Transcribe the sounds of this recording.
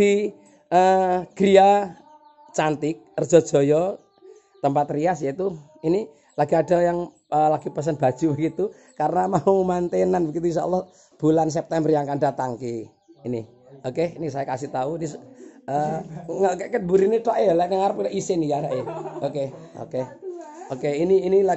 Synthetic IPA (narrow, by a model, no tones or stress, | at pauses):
d̥i | ʔəɡ̥ɾia | t͡ʃant̪ɪk̚ərd͡ʒ̥ɔ̤d̥ʒ̥ɔ̤jɔ | t̪əmpat̪riasjait̪u | ini | laɡiaɖa̤jaŋ | əlaɡ̥ipəs̬ənb̥a̤̥ʒ̥ubəɡit̪u | kaɾənamaumant̪enanbəɡit̪uinʃaṵlːɔh | b̥ulans̬ɛp̚t̪ɛmbərjaŋkandat̪aŋkiː | ni | okeinisajakasiht̪auinisəŋəkəʔkət̪̚buɾinet̪aʔejɔlanaŋaɾəpilaʔisɪnikaɾaʔeoke | o̰keokeiniːnia